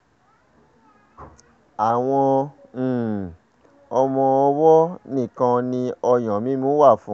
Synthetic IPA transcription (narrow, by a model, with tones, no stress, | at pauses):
a˨w̃ɔ̃˧˨ | ɔ˧mɔ̃˧ɔ˧wɔ˦nĩ˦˨kã˧nĩ˧ɔ˧j̃ɔ̃˨mĩ˦mũ˦wa˦˨fũ˨˦